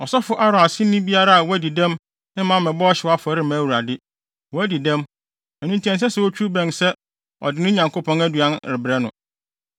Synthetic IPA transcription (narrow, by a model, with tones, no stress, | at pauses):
ɔ˨sɔ˦fʊ˨ʔa˦ɾɔ˨a˨sɪ˦nĩ˦bi˦a˦ɾa˦a˨wɔ˦æ˦di˨dɛ̃˦m | ɪ̃˦mã˨˦mɛ̃˨bɔ˦ɔ˦ɕɪ˨wa˦fʊ˨æ˨˦ɾɪ˦mã˨˦wu˨ɾa˨dɪ˦ | wɔ˨æ˦di˨dɛ̃˦m | ɛ˨nũ˦n˦tʰĩ˨˦ɛ̃˨s̬ɛ˦sɛ˨wɔ˦t͡ɕʰᶣu˦bɛ̃˨nsɛ˦ | ɔ̰˨dɪ˨nʊ̃˦ɲã˨ŋko˦pʰɔ̃˦næ˦du˨ã˦nɾɪ˨bɾɛ˦nʊ̰̃˨